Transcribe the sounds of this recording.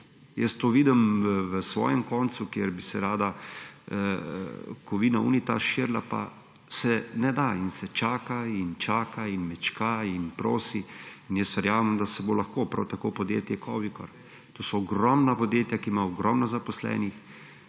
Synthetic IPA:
jɛst̪oːʋid̪əmʋəsʋɔ̰ːjɛmkɔnt̪sukjeɾbisɛɾaːd̪a | kɔʋiːnaṵːnit̪a̰ʃiɾla̰pa̰ | sɛnɛd̪ainsɛt͡ʃaːkaint͡ʃaːkainmɛt͡ʃkainpɾoːsiinjɛst̪ʋɛɾjaːməmd̪asɛbolaxkopɾawt̪akopɔd̪jḛːt̪jɛkʰɔːʋikɔ̰ɾ | t̪oːsɔɔɡɾɔmnapɔd̪jeːt̪jakimaɔɡɾɔmnɔzapɔslɛ̰ːnix

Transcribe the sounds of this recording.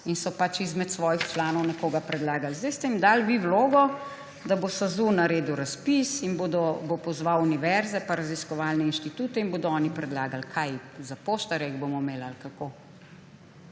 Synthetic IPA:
insɔpat͡ʃizmɛt̪sʋɔːjixt͡ʃlaːnɔwnɛkoːɡapɾɛd̪laːɡalzd̪ɛjst̪ɛimd̪aːlʋiwloːɡɔ | d̪abost̪azunaɾeːd̪uɾaspisinboːd̪ɔbopɔzʋawuniʋɛɾzɛpaɾaziskɔʋaːlnɛinʃt̪it̪uːt̪ɛinboːd̪ɔɔːnipɾɛd̪laːɡalkʰajzapoːʃt̪aɾɛɡbomɔmeːlalkako

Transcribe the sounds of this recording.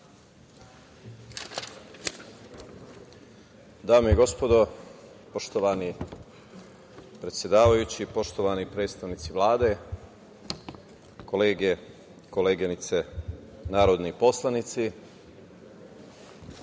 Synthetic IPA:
d̪aːmeiɡo̞spo̞d̪o̞ | poʃt̪o̞ʋani | pɾe̞t̪sjed̪aːʋajut͡ɕipo̞ʃt̪o̞ʋanipɾe̞ːd̪st̪aʋniːt̪siʋlaːd̪e̞ | ko̞leːɡe | koleːɡenit̪se | naːɾo̞d̪nipo̞slˠanit̪si

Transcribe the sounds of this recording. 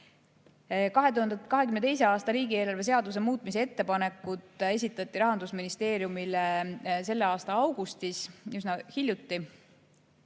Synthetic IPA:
kɑɦe̞t̪uhɑnd̪ekɑɦe̞kymnet̪e̞js̬e̞ɑːst̪ɑɾiːɡie̞ːlɑrve̞s̬e̞ɑd̪us̬emuːt̪ˑmis̬e̞e̞t̪ːe̞pɑne̞kːˑut̪ːˑe̞s̬ʲit̪ːˑɑt̪ːˑiɾɑɦɑnd̪̥usminist̪e̞ːɾjumilese̞lːe̞ɑːst̪ɑɑwɡ̥ust̪isysnɑhilʲjut̪ːi

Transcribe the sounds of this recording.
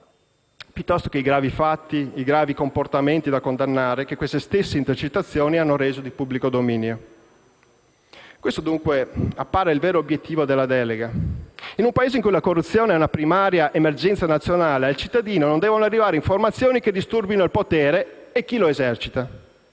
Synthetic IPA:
pjut̪ːɔst̪o̥keiɡɾaːvifat̪ːiiɡɾaːvikomport̪ament̪id̪akond̪anːaːɾek̟ekːwest̪est̪esːeint̪ert͡ʃet̪ːat̪sːjoːnianːoɾeːzod̪ipubːlikod̪omiːnjo | kwest̪od̪uŋkweapːaːɾeilvɛːɾoːbjet̪ʰːiːvod̪elːad̪ɛːleɡainumpaeːzeiŋkujlakorːut̪sːjoːneɛunapɾimaːɾjaʔemerd͡ʒɛnt̪sanat̪sːjonaːlealt͡ʃit̪ːad̪iːnonond̪ɛːvonoarːivaːɾeiɱformat̪sːjoːniked̪ːist̪urbinoilpot̪ɛːɾe | ekːiloezɛrt͡ʃit̪a

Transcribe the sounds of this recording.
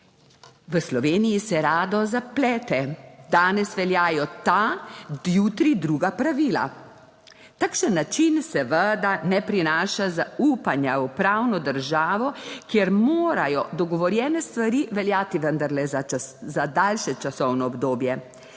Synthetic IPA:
ʋəslɔʋeːnijisɛɾaːd̪ɔzaplɛːt̪ɛd̪aːnɛsʋɛljaːjɔt̪a | jut̪ɾid̪ɾuːɡapɾaʋiːla̰ | t̪akʃənːat͡ʃinsɛʋəd̪anɛpɾinaːʃazauːpanjaupɾaːwnɔd̪əɾʒaːʋɔkjeɾmoːɾajɔd̪ɔɡɔʋɔɾjɛːnɛst̪ʋaɾiʋɛljaːt̪iʋənd̪aɾlɛzazad̪alʃɛt͡ʃasɔwnɔɔbd̪oːbjɛ

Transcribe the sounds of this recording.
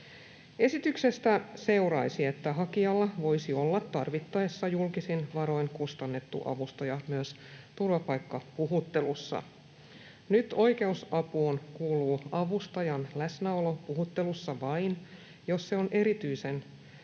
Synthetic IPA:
e̞sit̪ykse̞st̪æse̞uɾɑisiet̪ːæɦɑkiɑlːɑʋo̞isio̞lːɑt̪ːɑrʋit̪ːɑesːɑjulkisinʋɑɾo̞jnkust̪ɑnːe̞t̪ːṵʔɑ̰ʋust̪ojɑmyøs | t̪urʋɑpɑjkːɑpuɦut̪ːe̞lusːɑ̰ | nyt̪o̞ike̞usɑpuːnkuːluːɑʋust̪ɑjɑnlæsnæolo̞puɦut̪ːe̞lusːɑʋɑjn | jo̞sse̞onʔe̞ɾit̪yise̞n

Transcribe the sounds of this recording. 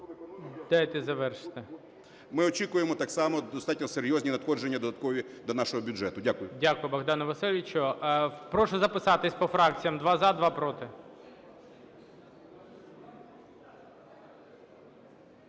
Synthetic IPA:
d̪̥ajt̪ɪzɐʋɛrʃɪ̥t̪ɪ | mɪɔt͡ʃʲikʊjemɔt̪aksɑmɔd̪ɔst̪ɑtʲnɔseɾʲjɔzʲnʲinɐt̪xɔʒenʲːɐd̪ɔd̪ɐt̪̚kɔʋʲi | d̪ɔnaʃɔɦɔbʲʊʐɛt̪ʊdʲakʊjʊdʲakʊjʊbɔɣd̪ɑnɐʋɐsilʲʋʲit͡ʃʊpɾɔʃɔzɐpɪsɑt̪ɪsʲpɔfɾɑk̚t͡sʲijɐmd̪ʋɑzɐd̪ʋɑpɾɔt̪ɪ

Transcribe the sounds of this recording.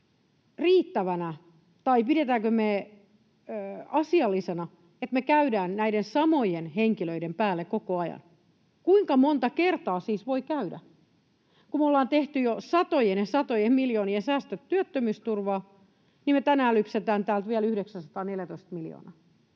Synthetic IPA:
riːt̪ːæʋænæ | t̪ɑipiɾet̪æːkøme | ɑsiɑlːisenɑ | et̪mekæydæːnnæidensɑmojenheŋkiløidempæːlːekkokoɑjɑ̰n | kuiŋkɑmont̪ɑkert̪ɑːsiːsʋoikæydæ | kumolːɑːnt̪eht̪yjosɑt̪ojenesɑt̪ojemiljoːniensæːst̪øt̪tyøt̪ːømyːst̪urʋɑː | nimet̪ænæːlypset̪æːnt̪æːlt̪ʋiælyhɾeksænsɑt̪ɑːneljæt̪oist̪̚miljo̰ːnɑ̰

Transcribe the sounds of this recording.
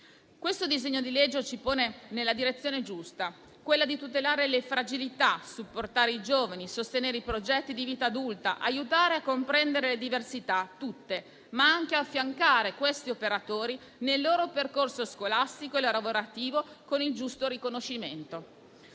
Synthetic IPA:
kwest̪od̪izeɲːod̪iled͡ʒːot͡ʃipoːnenelːad̪iɾet̪sːjoːned͡ʒust̪a | kwelːad̪it̪ut̪elaːɾelefɾad͡ʒilit̪asupːort̪aːɾeid͡ʒoːvanisost̪eneːɾeipɾod͡ʒɛt̪ːid̪iviːt̪aːd̪ult̪aʔajut̪aːɾeakːompɾɛnd̪eɾeled̪iversit̪at̪ːut̪ːe | maaŋk̟eafːjaŋkaːɾekwest̪iopeɾat̪oːɾi | nelːoːɾoperkorsoskolast̪ikoeloɾavoɾat̪iːvokonild͡ʒust̪oɾikonoʃːiment̪o

